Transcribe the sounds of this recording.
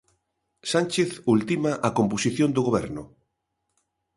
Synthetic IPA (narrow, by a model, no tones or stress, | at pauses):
sanʲt͡ʃeθult̪imaʔɐkomposiθjõnd̪ʊɣoβɛɾnʊ